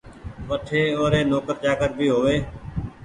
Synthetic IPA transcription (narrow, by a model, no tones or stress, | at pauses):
ʋəʈʰeːoːɾeːnoːkəɾt͡ʃaːkəɾbʱiːɦoːʋeː